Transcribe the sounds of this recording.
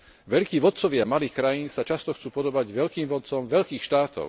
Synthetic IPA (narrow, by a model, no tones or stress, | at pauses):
ʋɛʎkiːʋɔt̪t͡sɔʋɪamaliːxkɾajiːnsat͡ʃast̪ɔxt͡suːpɔd̪ɔbaɟʋɛʎkiːmʋɔt̪t͡sɔmʋɛʎkiːxʃt̪aːt̪ɔ̰ʊ